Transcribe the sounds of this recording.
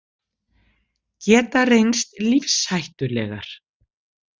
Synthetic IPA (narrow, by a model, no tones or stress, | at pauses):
cɛːt̪arejnst̪lifshajht̪ʏɾlɛ̰ɣa̰ɾ̥